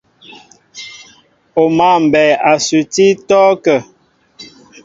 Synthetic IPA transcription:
o˨ma˨m̩˨bɛː˨a˨sʉ˨ti˦tɔː˦kə˨

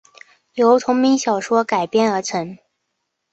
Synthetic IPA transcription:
jo˧˥ʊt̪ʰʊ˧˥ŋmi˧˥ŋɕjɑ˨˩ʊʂwɔ˥ka˨˩ɪpjɛ˥˩nə˞˧˥t͡sʰɤ˧˥ŋ

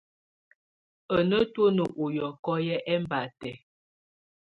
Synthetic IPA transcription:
ə˨nə˦two˦nə˨ʔo˨jɔ˨kɔ˦jɛ˦ʔɛ˦m˦ba˨tɛ˨

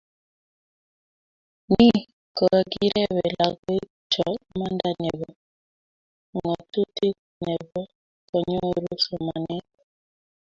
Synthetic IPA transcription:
ni˦ | kɔ˨ɾa˨ɡi˦ɾɛ˦wɛ˨la˨ɡe˦ | t͡ʃɔ˨ma˦nda˦nɛ˨βɔ˨ | ŋɔ˨tu˦ti˦ | nɛ˨bɔ˦ | kɔ˨ɲɔ˦ɾo˦sɔ˨ma̰˨nɛ˦kɔ˨

